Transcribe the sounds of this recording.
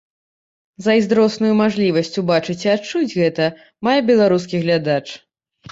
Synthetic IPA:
zɐizd̪ɾɔsnujumaʐlʲivɐsʲt͡sʲubat͡ʂɨt͡sʲiatt͡ʂud͡zʲɣɛt̪ɐ | majɛbʲɛlˠaɾus̬kʲiɣlʲad̪at͡ʂ

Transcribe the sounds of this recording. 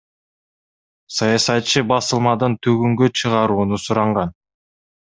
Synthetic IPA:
sɑjɑsɑt̪t͡ʃɯbɑsɯlˠmɑd̪ɯnt̪ʰøɡyŋɡøt͡ʃʰɯʁɑɾuːnusuɾɑɴʁɑn

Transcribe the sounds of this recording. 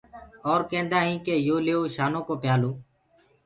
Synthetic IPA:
ɔːɾkẽːnd̪ãːɦĩːkeːjoːleːoːʃaːnõːkoːpɪjaːloː

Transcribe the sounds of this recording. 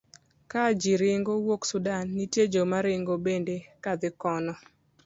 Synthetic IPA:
kad͡ʒiɾɪŋɡowoksʊdanːited͡ʒomaɾɪŋɡobendekad̪ɪkɔnɔ

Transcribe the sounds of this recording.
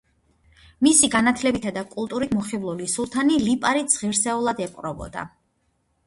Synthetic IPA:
misiɡanat̪ʰlɛbit̪ʰad̪akʼulˠt̪ʼuɾit̪mɔχivlˠulisulˠt̪ʰanilipʼaɾit̪z̥ʁiɾsɛulˠad̪ɛpʼqʼɾɔbɔ̰d̪a̰

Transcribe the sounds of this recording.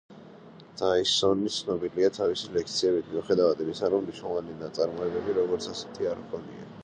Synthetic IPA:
d̪̥aisɔnit̪sʰnɔbiliat̪ʰavisilɛk̚ʰt̪sʰiɛbit̪ʰmiuχɛd̪avad̪imisaɾɔmniʃnɛlˠɔvaninat̪sʼaɾmɔɛbɛbiɾɔɡɔɾt̪sʰasɛ̥t̪ʰiaɾkʰɔnḭa̰

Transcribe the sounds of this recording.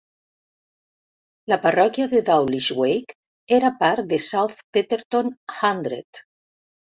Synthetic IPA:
laparɔkjaðeðawliʃwejk | eɾapaɾd̪esawθpet̪eɾt̪onxand̪ɾḛt̪

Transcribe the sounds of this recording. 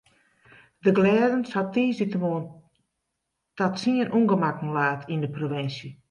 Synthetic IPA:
dəɡlɛːdənsatiːsitəmoən | tatsiənʔuŋɡəmakn̩laːtʰindəproʋɪnsjə

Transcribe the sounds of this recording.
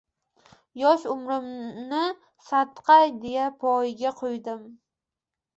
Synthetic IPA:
jɒʃʊmɾɪmnɪ | sat̪qʰɑjd̪e̞japʰɒjɡʲaqʰojd̪ɪm

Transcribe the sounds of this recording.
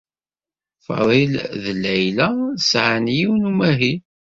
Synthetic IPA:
fɑ̰ðˤilðlːæjlæsʕanjiwnumæɦi

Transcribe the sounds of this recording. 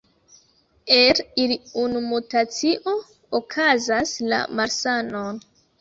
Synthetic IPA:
eɾiliunumutat͡siʔo̞ | okʰazasla̰maɾsano̞n

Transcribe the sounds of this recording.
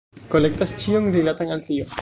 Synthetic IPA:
kolek̚t̪ast͡ʃioŋɾilat̪aŋalt̪io

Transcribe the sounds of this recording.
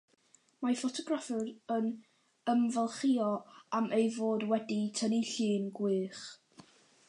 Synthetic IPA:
mafɔtʰɔɡrafɪɾən | əmvalˠχiɔamʔejvoːdwɛditʰəniɬɨːnɡwɨːχ

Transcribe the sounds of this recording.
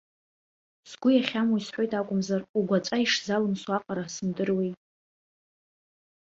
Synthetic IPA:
sɡʷʊjaχʲamwisħʷo̞jtʼakʷʼʊmzaruɡʷat͡ʃʼaiʂzalɨnswaqʼaɾasɨmdɨrwejtʼ

